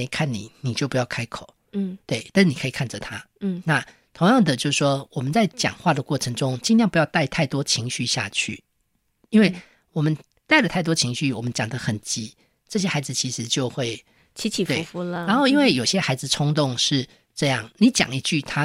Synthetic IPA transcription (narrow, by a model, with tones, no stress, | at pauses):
kʰa˥˩nːḭ˨˩˦ni˨˩t͡ɕjo˥˩ʊpu˧jɑ˥˩ʊkʰa˥ɪkʰo˨˩ʊ˥˩t̪we˥˩ɪa˥˧nʂ̩˥ni˨˩ə˧˥i˨˩kʰa˥˩nd͡zə˩t̪ʰa˦˥˩na˥˨ | t̪ʰʊ˧˥ŋjɑ˥˩ŋd̪ə˩t͡ɕjo˥˧ʊs̩˩ʂwɔ˦wɔ˨˩mə˦nt͡sa˥˩ɪt͡ɕjɑ̰˨˩ŋxwa˥˩d̪ə˩kwɔ˥˩ʈ͡ʂʰə˧˥ŋʈ͡ʂʊ˦˥ŋt͡ɕi˥˧njŋpu˧jʊt̪a˥˧ɪt̪ʰa˥˩ɪt̪wɔ˥t͡ɕʰi˧˥ŋɕy˥˧ɕja̰˥˧t͡ɕʰy̰˥˩ | i˥nwe˥ɪ | wɔ˨˩mə˦n | t̪a˥˩ɪlə˨˩t̪ʰa˥˩ɪt̪wɔ˥t͡ɕʰi˧˥ŋɕy˥˩wɔ˨˩mə˦nt͡ɕjɑ˨˩ŋd̪ə˦xə˨˩nt͡ɕi˦˥ | ʈ͡ʂɤ˥˩ɕ̬jɛ˥xa˧˥ɪd͡zɹ̩˨t͡ɕʰi˧˥ʂɻ̩˧˦t͡ɕjo˥˧ʊxwe˥˩ɪ | t͡ɕʰi˧˦˥t͡ɕʰi˨˩we˥˩˧fu˧ləa˧˦nxo˥˧ʊi˦˥nwe˥˩ɪjo˨˩ʊɕjɛ˦˥xa˧˥ɪd͡zɹ̩˨ʈ͡ʂʰʊ˥ŋt̪ʊ˥˧ŋʂɻ̩˥˩ | ʈ͡ʂɤ˥˧jɑ˥˨˩ŋni˨˦t͡ɕjɑ̰˨˩ŋi˧t͡ɕy˥˩t̪ʰa˦